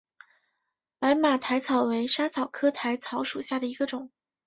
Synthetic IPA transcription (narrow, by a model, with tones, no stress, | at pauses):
pa˧˥ɪma˨˩t̪ʰa˧˥ɪt͡sʰɑ˨˩ʊwe˧˥ɪʂa˥t͡sʰɑ˨˩ʊkʰɤ˥t̪ʰa˧˥ɪt͡sʰɑ˧˥ʊʂu˨˩ɕja˥˩d̪ə˩i˧˥ɡə˧ʈ͡ʂʊ˨˩˦ŋ